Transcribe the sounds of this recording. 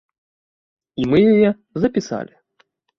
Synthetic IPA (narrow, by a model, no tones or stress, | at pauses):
imɨjɐjɛ | zɐpʲisa̰lʲɪ